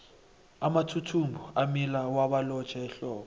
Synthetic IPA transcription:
amatʰutʰumbʱuamilawaɓalɔ̥t͡ʃʰʼaɛɬɔːɓɔ

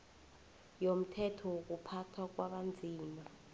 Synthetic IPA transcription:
jom̩tʰɛtʰɔwok̬upʰatʰak̬waɓand͡zʱiːna

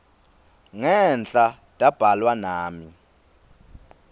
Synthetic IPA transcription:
ŋɛnt͡ɬʼa | tʼab̥ʱalwanaːmi

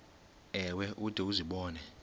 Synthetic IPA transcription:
ɛwɛʔud̥ʱʼɛuziɓɔːnɛ

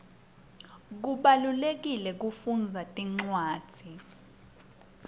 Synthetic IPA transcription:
k̬uɓalulek̬ilɛk̬ufund͡zʱatʼiŋ͡ǀwaːd̥ʰʱi

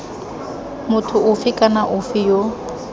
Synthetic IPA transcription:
mʊtʰʊʔʊfɪkʼanaʔʊfɪjo

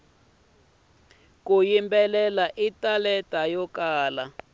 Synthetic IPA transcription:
kujimbɛlɛlaʔitalɛtʼajɔkaːla

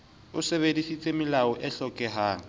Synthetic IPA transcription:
ʊseβedisit͡sʼemɪlaɔʔɛɬɔkʼɛɦaː

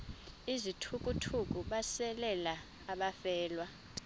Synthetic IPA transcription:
izitʰukʼutʰuk̬ʼuɓasɛlɛlaː | ɓafɛːlwa

